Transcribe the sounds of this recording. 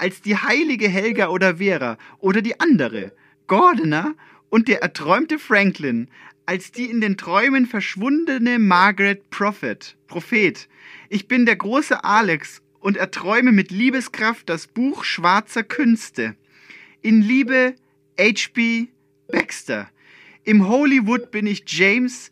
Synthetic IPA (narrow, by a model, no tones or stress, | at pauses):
ʔalsd̥iːhaɪlɪɡəɦɛlɡɐʔoːdɐveːʁɐ̰ʔoːɾɐdiːʔandəʁ̞ə̰ | ɡ̥ɔɐdnɐ | ʔʊnt̚d̥eːɐʔɛɐtʁ̥ɔʏmtəfʁ̥ɛŋklɪn | ʔalsd̥iːɪndeːntʁ̥ɔʏmənfɛɐʃv̥ʊndənəmaɐɡʁɛt̚pʁ̥ɔfɛtpʁ̥ofeːt | ʔɪçb̥ɪndeːɐɡʁoːsəʔaːlɛks | ʔʊntɛɐtʁ̥ɔʏməmɪtliːbəskʁ̥aft̚d̥asb̥uːxʃv̥aɐt͡sɐkʰʏnstə | ʔɪnliːbə | ʔɛɪt͡ʃb̥iː | b̥ɛkstɐ̰ | ʔɪmɦolivʊtb̥ɪnɪçd͡ʒeɪms